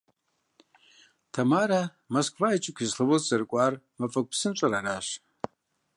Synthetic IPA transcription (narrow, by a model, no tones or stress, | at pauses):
tʰamaɾa | moskʷʰvait͡ʃʼɪkʷʰizɬɨwozzɨrkʷʼar | mafʼɐkʷʼpsɨnʈ͡ʂʷʼaɾaɾaʃ